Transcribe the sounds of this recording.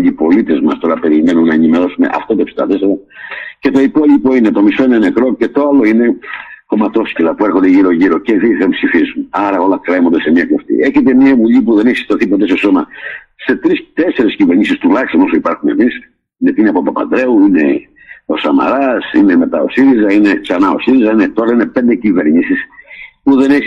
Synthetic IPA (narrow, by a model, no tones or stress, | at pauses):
ʎipo̞lit̪e̞zmɐst̪o̞ɾɐpe̞ɾime̞nunːɐenimeɾo̞sume̞̰ʔɐ̰ft̪ot̪oepsit̪ɐt̪eseɾɐce̞t̪o̞ipo̞ʎipo̞inet̪o̞misoinene̞kɾo̞ce̞t̪oalo̞ine̞ko̞mɐt̪o̞scilɐpueɾxond̪e̞ʝiɾo̞ʝiɾo̞ceθiepsifisunɐɾɐo̞lɐkɾemond̪ese̞miɐkloft̪ḭʔe̞çet̪̬emiɐvuʎipuðe̞neçisi̥t̪oθipot̪eseso̞mɐ | se̞t̪ɾist̪e̞seɾesciveɾɲisist̪ulɐçist̪onosoipɐɾxunḛmis | inet̪inepopɐpɐ̰nd̪ɾe̞uine̞̰ | o̞sɐmɐ̰ɾɐsḭneme̞t̪ɐ̰o̞̰siɾizɐineksɐnɐo̞̰siɾizɐinet̪oɾɐinepe̞nd̪ecive̞ɾɲisispuðe̞neç